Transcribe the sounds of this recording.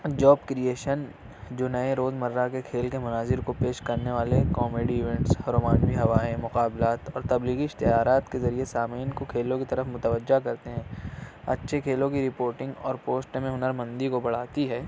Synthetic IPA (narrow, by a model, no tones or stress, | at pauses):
d͡ʒɔːbkɾijeːʃən | d͡ʒoːnɐẽɾoːzmɐɾːakekʰeːlkemʊnaːzɪɾkopeːʃkɐɾneʋaːlekɔːmeːɖiɪʋɛ̃ːɳʈshɐɾoːmaːnʋiɦɐʋaːẽmʊqaːblaːt̪ɔːɾt̪ɐbliːɣiɪʃt̪ɪjaːɾaːt̪kezɐɾiesaːmiːnkokʰeːlõkit̪ɐɾəfmʊt̪əʋəd͡ʒːakɐɾt̪eɦɛ̃ːɐ̰tːʃʰekʰeːlõkiɾɪpoːɾʈɪ̃ŋɡɔ̰ːɾpoːsʈmẽɦʊnəɾmɐ̃nd̪ikobɐɽ̤aːt̪iɦɛː